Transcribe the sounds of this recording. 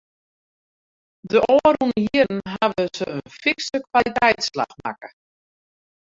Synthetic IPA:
dəʔoəɾunəjiən̩ɦaʋəsəənfiksəkʋalitɛjtsla̰xma̰kə

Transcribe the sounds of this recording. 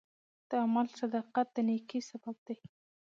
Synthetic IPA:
d̪̥əamalsad̪ɑqat̪̚d̪ənekisabab̚d̪ej

